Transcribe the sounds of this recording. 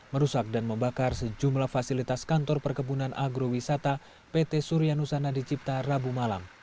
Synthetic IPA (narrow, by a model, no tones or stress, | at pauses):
məɾusak̚danməmbakarsəd͡ʒumlahfasilit̪askant̪ɔrpərkəbunanʔaɡɾowisat̪a | pet̪esuɾianusanadit͡ʃip̚t̪arabumalam